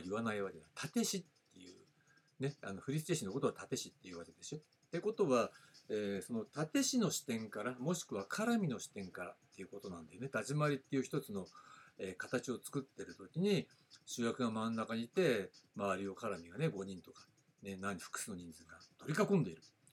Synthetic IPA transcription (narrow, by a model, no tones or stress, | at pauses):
iβanaiβake̞d̪at̪ʰat̪e̞ɕit̪ːe̞jɯ̰ː | ne̞a̰no̞ɸɯ̟ɾʲist̪eɕinːoko̞t̪o̞βat̪at̪e̞ɕit̪ːe̞jɯ̟βake̞d̪e̞ɕi | t̪ːeko̞t̪o̞βaeːso̞no̞t̪at̪e̞ɕino̞ɕi̥t̪ẽ̞ŋkaɾamo̞ɕi̥kɯ̟βakʰaɾamʲino̞ɕi̥t̪ẽ̞ŋkaɾa̰t̪ːe̞jɯ̟ko̞t̪o̞nãnd̪ajone̞t̪ad͡ʑimaɾʲit̪ːe̞iɯ̟çi̥t̪o̞t͡sɨno̞eːkat̪at͡ɕio̞t͡sɨ̥kɯ̟t̪ːe̞ɾɯ̟t̪o̞kʲiɲ̟i | ɕɨːjakɯ̟ɡamãnːakaɲ̟it̪e̞maβaɾʲio̞kaɾamʲiɡane̞ɡo̞ɲ̟ĩnt̪o̞kḁ | nenaɲ̟ːiɸɯ̥kɯ̥sɨno̞ɲ̟ĩnd͡zɨɡat̪o̞ɾʲikakõnd̪e̞iɾɯ̟